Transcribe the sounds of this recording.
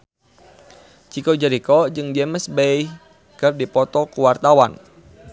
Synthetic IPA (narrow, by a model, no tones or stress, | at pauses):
t͡ʃikɔd͡ʒəɾikɔd͡ʒɨŋdɛməsbɛjh | kərdipɔt̪ɔkuwart̪awan